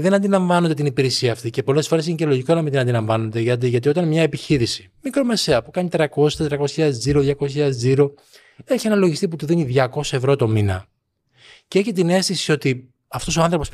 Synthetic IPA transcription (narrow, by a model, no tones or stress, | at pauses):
ðe̞nɐnd̪ilɐɱvɐnond̪et̪inipiɾesiɐːft̪ice̞po̞le̞sfo̞ɾe̞sinecelo̞ʝikonɐmind̪inɐnd̪ilɐɱvɐnond̪e̞ʝɐt̪̬iʝɐt̪io̞t̪ɐnmɲɐe̞piçiɾisi | mikɾo̞me̞se̞ɐpukɐnit̪ɾɐko̞si̥t̪et̪ɾɐko̞sɐðeziɾoðʝɐko̞ssçʎɐðeziɾo̞ | e̞çienɐlo̞ʝist̪ip̬ut̪uðiniðʝɐko̞sɐevɾo̞t̪o̞minɐ̰ | ceeçet̪̬ine̞st̪isio̞t̪i | ɐft̪o̞soɐnθɾo̞po̞s